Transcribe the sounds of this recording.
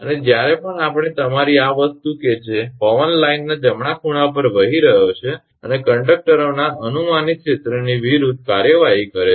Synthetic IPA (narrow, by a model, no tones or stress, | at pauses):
əned͡ʒjaɾepəɳapɽ̃et̪əmaɾiaʋəst̪uked͡ʒefɔʋənlainːad͡ʒəmɳakʰuɽ̃ap̬əɾʋəɦiɾəɦot͡ʃʰe | ənekəɳɖək̚ʈəɾonaʔənumanikʃet̪ɾəniʋiɾud̪̚ʱkaɾjəʋaɦikəɾe